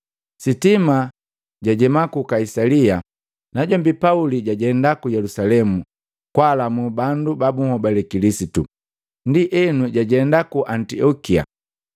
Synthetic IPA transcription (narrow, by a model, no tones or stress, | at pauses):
sitima | ɟaɟɛmakukaisalia | naɟɔmbipauliɟaɟɛndakujɛlusalɛmu | kwalamubandubabuŋhɔbalɛkilisitu | ndiʔɛnuɟaɟɛndakuʔantiɔkia̰